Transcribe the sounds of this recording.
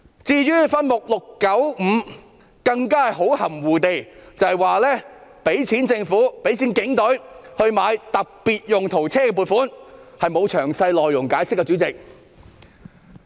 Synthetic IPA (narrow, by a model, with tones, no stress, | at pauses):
t͡siː˧ɥyː˥fɐ˥nmʊ˨k̚lʊ˨kːɐ˨˥wm̩˨˧ | kɐ˧ŋkaː˥hɐ˨jɦo˨˥whɐ˨˩mwuː˨t̪e˨jt͡sɐ˨jwaː˨˩lɛː˥pe˨˥jt͡sʰiː˨˥nt͡sɪ˧ŋfuː˨˥pe˨˥jt͡sʰiː˨˥nkɪ˨˥ŋt̪ɵ˨˥ɥhɵ˧ɥmaː˨˧jt̪ɐ˨k̚piː˨t̚jʊ˨ŋt̪ʰo˨˩wt͡sʰɛː˥kɛ˧p̬uː˨t̚fuː˨˥nhɐ˨jmo˨˧wt͡ʃʰœː˨˩ŋsɐ˧jlɔː˨jːʊ˨˩ŋkaː˨˥jsɪ˥kːɛː˧t͡sy˨˥t͡sɪ˨k̚